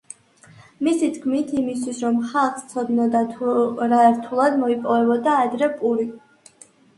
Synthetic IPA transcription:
misit̪kʰmit̪ʰimist̪ʰwisɾɔmχalˠχst̪sʰɔd̪nɔd̪at̪ʰɾaɛɾt̪ʰulˠad̪mɔipʼɔvɛbɔd̪aːd̪ɾɛpʼuɾi

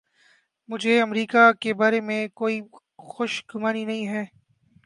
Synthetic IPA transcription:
mʊd͡ʒʱeɐmɾiːkakebaːɾemẽkoːi | xʊʃɡʊmaːninɐɦĩɦɛː

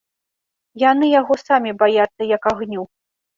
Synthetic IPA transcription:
janɨjaɣɔsamʲibajat̪sːɐjɐkaɣnʲu

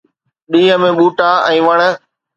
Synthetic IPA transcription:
ɗiːɦəmẽɓuːʈaɛ̃ːʋəɽ̃ə

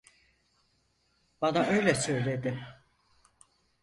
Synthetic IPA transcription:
b̥anaʔø̞jlʲɛsø̞jlʲe̞d̪ɪm

